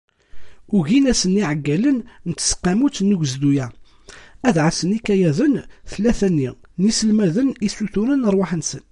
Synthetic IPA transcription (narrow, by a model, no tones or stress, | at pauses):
ʊʝinæsəniʕəɡːælənnt̪ːə̥sqːæmut͡snəɡzd̪ujæ | æðʕəsənikæjæðənθlːæθænːinisəlmæðənisuθuɾənəɾˤwaħənsən